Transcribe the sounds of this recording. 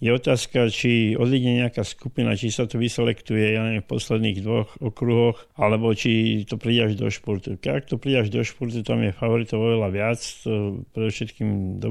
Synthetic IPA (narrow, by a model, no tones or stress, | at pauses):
jɛɔt̪aːskat͡ʃiɔd̪iɡɲɛɲɛakaskupina̰t͡ʃisat̪ɔʋisɛlɛkt̪ujɛjaɲɛfpɔslɛd̪niːɣd̪ʋɔxɔkɾuɦɔxalɛbɔt͡ʃit̪ɔpɾidaʒd̪ɔ̰ʃpɔɾt̪ukɛakt̪ɔpɾidaʒd̪ɔʃpɔɾt̪ut̪amjɛfaʋɔɾit̪ɔʊɔʋɛlaʋɪat͡st̪ɔpɾɛd̪ɔfʃɛt̪kimd̪ɔ